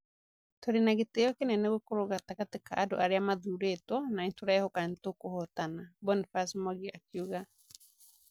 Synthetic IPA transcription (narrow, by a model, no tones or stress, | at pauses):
toɾenaɣeteɔkenɛneɣokoɾoɣatakatekaʔado̰ʔaɾeamaðuɾetwɔnaintoɾaehokatokohɔtanabɔnfasmɔɣiakiuɣa